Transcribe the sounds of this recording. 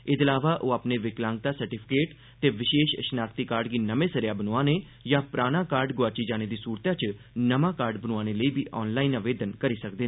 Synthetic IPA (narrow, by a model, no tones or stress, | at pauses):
ɪd̪əlaːʋaːʔoːaːpneːʋɪklãːŋɡ̚t̪aːsəɾʈɪpʰɪ̥keːʈ | t̪eːʋɪʃeːʃəʃnaːkt̪ikaːɾɖɡiːnəmẽːsəɾjaːbənoaːneː | jãːpɾaːnaːkaːɾɖɡʊaːt͡ʃiːd͡ʒaːneːd̪iːsuːɾt̪jaːt͡ʃ | nəmãːkaːɾɖbənuaːneːləiːbʱiːʔɔːnlaːinaʋeːd̪ənkəɾiːsək̚d̪eː